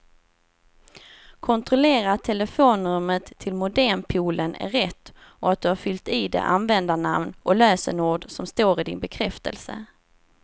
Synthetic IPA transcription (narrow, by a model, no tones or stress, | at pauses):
kʰɔnt̪ɾɔleːɾat̪ʰːɛləfoːnɵmət̪ʰːɪlmʊd̪æɳpʰuːlənʔæ̰ɾɛt̪ːɔat̪̚d̪ɵhaɾfʏlt̪iːd̪ɛ̰ʔanvɛnd̪anamnʔɔløːsənuːɖsɔmst̪oːɾɪd̪ɪ̰nbɛkʰɾɛft̪ʰə̰lsə̰